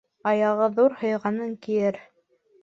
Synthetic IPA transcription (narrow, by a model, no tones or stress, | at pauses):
ɑjɑʁɤðuɾhɤ̆jʁɑnɤŋkijɘɾ